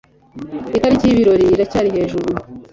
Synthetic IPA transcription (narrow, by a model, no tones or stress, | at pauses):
itaɾicijiβiɾo̞ɾiɾacaːɾiɦe̞ːʒuɾu